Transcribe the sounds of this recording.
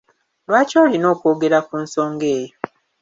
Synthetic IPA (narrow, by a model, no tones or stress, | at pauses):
lwaːcoːlino̞ːkoːɡe̞ɾakunso̞ːŋɡe̞ːjo